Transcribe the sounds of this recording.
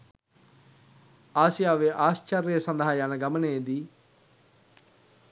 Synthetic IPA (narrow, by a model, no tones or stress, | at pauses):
aːsijaːʋeːʔaːst͡ʃəɾesə̃nd̪ɦaːjaːnaɡəməned̪iː